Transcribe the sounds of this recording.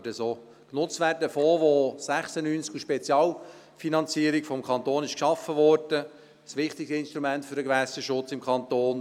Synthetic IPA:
dəsoː | knʊt͡stʋæːrdəfoːʋoːsæχsənyːnskuʃpɛt͡sjɑːl | finɑnt͡siəɾikfɔmkʰɑnt̪oːnɪʃkʃɑfəʋɔrd̥ə | sʋɪχt̪ɪksɪnʃt̪ɾumæntfʏɾəɡʋæsəʃʊt͡sɪmkʰɑnt̪oːn

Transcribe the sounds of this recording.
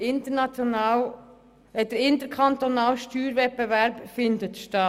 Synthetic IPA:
ɪnt̪ənɑt͡sjɔnɑːl | ɛd̪əɾɪnt̪əɾkʰɑnt̪onɑːlʃtyːɾʋɛt̚bevæɾbfɪnd̪ət̪ʃtɑ

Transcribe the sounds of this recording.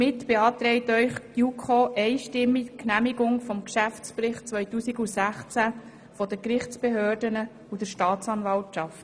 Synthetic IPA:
mɪtb̥eɑːt̪ɾɛɪtœʏχtjukʰoːʔɛɪʃtɪmːiknæmiɡʊŋfɔmkʃæft͡spɾɪχt̚t͡sʋœʏtuːsiɡusæχt͡sæ | fɔdəkɾɪχt͡speɦøːdənə | ud̥əɾʃtɑːt͡sɑnvɑltʃɑft

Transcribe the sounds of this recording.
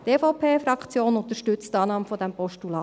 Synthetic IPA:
teːfɔʊpʰeːfɾɑkt͡sjoːnʊnt̪əʃtʏt͡stɑːnɑːməfɔd̥æmpɔʃtulɑː

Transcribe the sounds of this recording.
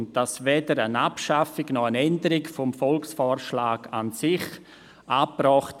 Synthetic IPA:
ntd̥asʋɛdəɾənapʃafɪɡnɔənɛndəɾɪkfɔmfɔlksfɔːɾʃlaːɡansɪχ | ʔapːɾɔχt

